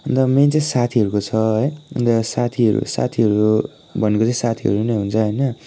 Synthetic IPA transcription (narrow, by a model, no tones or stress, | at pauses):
ʌnd̪ʌmet͡sãĩsat̪ʰiɦʌɾukot͡sʰʌɦʌjʌ̰nt̪ʌsat̪ʰiʌɾṵsa̰t̪ʰiʌɾu | bʱʌnekot͡saĩsat̪ʰiʌ̰ɾunejɦunt͡sʰʌɦʌjnʌ